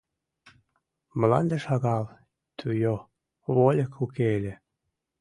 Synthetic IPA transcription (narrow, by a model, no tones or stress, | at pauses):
məlɑ̰nd̪eʃɑɣɑl | t̪ʰyjo | βolʲekʰukeelʲĕ